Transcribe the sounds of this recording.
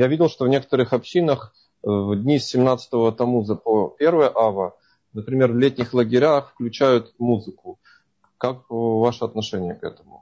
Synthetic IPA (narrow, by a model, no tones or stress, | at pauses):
javʲidʲɪlˠʂt̪ovnʲe̞kə̥t̪əɾɨxɐpɕːinəx | vd̪ʲnʲisʲːɪmnat̪sə̥t̪əvət̪ɐmuzəpopʲe̞rvəjəʔavə | nəpɾʲɪmʲe̞rvlʲet̪̚ʲnʲɪxlˠəɡʲɪɾʲaxfklʲʉt͡ɕæjʊt̪muzɨkʊ | kakvaʂəɐt̪nɐʂɛnʲɪjəkɛ̰t̪əmʊ̰